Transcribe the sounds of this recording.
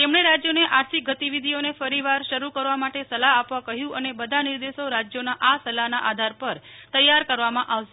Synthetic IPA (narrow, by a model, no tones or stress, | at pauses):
t̪emɽeɾad͡ʒjoneʔaɾt̪ʰik̚ɡət̪iʋid̪ʱionefəɾiʋaɾʃəɾukəɾʋamaʈesəlaɦapʋãkəɦjũʔənebəd̪ʱanɪɾd̪eʃoɾad͡ʒjonaʔasəlaɦnaʔad̪ʱaɾpəɾt̪əjːaɾkəɾʋamãʔaʋʃe